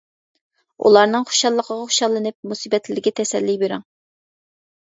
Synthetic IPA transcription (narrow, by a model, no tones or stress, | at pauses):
ṵlˠɑɾnɨŋχo̥ʃɑlˠːəqʰəʁɑχʊ̥ʃɑlˠːɨnɨp̚musibɛt̪ʰlɪlɪɡʲɛt̪ʰɛsɛlːijbeɾɪŋ